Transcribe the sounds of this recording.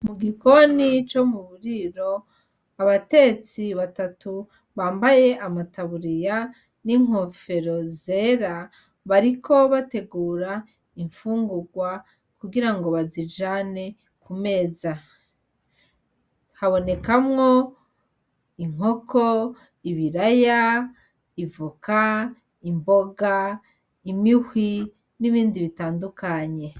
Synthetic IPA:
muɡiko̞nit͡ʃo̞muβuɾiɾo̞ | aβate̞t͡siβatatu | βaːmbaje̞ʔamataβuɾija | niŋ̥o̞fe̞ɾo̞ze̞ɾa | βaɾikʰo̞βate̞ɡuːɾa | iɱfuːŋɡuɡwa | kuɡiɾaŋɡo̞βazid͡ʒane̞ | kume̞ːza | haβo̞ne̞kamŋo̞ | iŋ̥o̞kʰo̞ | iβiɾaja | ivuka | imbo̞ɡa | imihwi | niβiːndiβitaːndukaɲe̞

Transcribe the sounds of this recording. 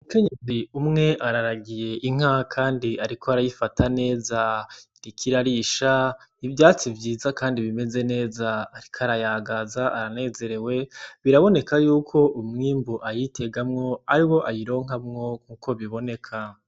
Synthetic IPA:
uuke̞ɲeziumŋe̞ʔaɾaɾaɡije̞ʔiŋ̥akʰaːndiaɾikʰoaɾajifatʰane̞ːzaɾikʰiɾaɾiʃaivjaːt͡sivjiːzakaːndiβime̞ze̞ne̞ːzaːɾikʰaɾajaɡazaʔaɾane̞ːze̞ɾe̞we̞βiɾaβo̞ne̞kajuːkʰo̞ʔumŋiːmbuʔajitʰe̞ɡamŋo̞aɾiwo̞ʔajiɾo̞ːŋ̥ɦamŋo̞kuːkʰo̞βiβo̞ne̞kʰa

